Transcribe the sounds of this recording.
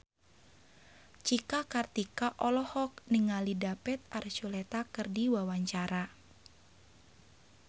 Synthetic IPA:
t͡ʃikakart̪ikaʔɔlɔhɔk̚niŋalidapɛt̪̚aɾt͡ʃulɛt̪akɨrdiwawaɲt͡ʃaɾa

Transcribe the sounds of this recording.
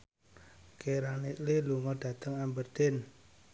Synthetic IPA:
keɾaniʔliluŋɔd̥ä̤t̪əŋambərd̪̥en

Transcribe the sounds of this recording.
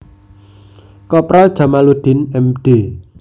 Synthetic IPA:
kɔpɾald̥ʒ̥a̤malud̪̥ɪ̤nɛmɖ̥e

